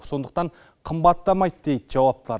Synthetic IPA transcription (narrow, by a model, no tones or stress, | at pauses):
so̞nd̪ə̥q̚t̪ɑɴ | qʰəmbɑt̪ːɑmɑjt̪d̪e̞jd̪ʒɑwɑp̚t̪əlˠɑ̰ɾ